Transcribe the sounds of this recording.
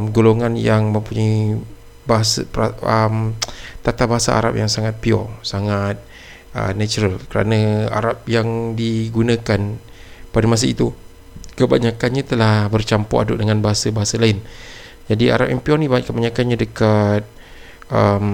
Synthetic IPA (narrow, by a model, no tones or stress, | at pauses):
mɡoloŋanjaŋmə̃mpuɲai | baɦasapaəmt̪at̪abaɦasaa̰ɾa̰p̚jaŋsaŋat̪̚piɔ̰saŋat̪̚ | ə̰nat͡ʃuɾalkəɾa̰nəa̰ɾap̚jaŋdiɡunə̃kan | padamas̬ait̪u | kəbaɲakanɲat̪əlahbərt͡ʃampɔ̰ʔa̰dʊ̰ʔdəŋanbaɦasabaɦasalaɪn | d͡ʒadia̰ɾap̚jaŋpiɔnikəbaɲakanɲadəkat̪̚ | ʔəm